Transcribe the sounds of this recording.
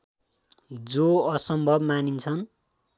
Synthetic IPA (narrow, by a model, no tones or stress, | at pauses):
d͡zoʌsʌmbʱʌbmanint͡sʰʌn